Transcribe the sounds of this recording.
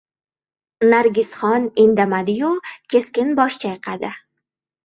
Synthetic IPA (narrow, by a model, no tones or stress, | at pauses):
naɾɡʲɪsχɒnɪnd̪amad̪ɪjʊkʲʰe̞skʲɪnbɒʃt͡ʃʰajqʰad̪ɪ